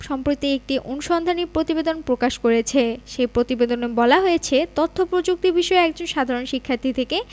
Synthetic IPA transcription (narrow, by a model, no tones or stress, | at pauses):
ʃɔmpɾot̪iek̚ʈiʔonuʃɔnd̪ʱanipɾot̪ibed̪onpɾokaʃkoɾet͡ɕʰeʃepɾot̪ibed̪onebɔlaɦojet͡ɕʰet̪ot̪ʰːopɾod͡ʑuk̚t̪ibiʃɔeɛk̚d͡ʑonʃad̪ʱaɾonʃikʰːaɾt̪ʰit̪ʰeke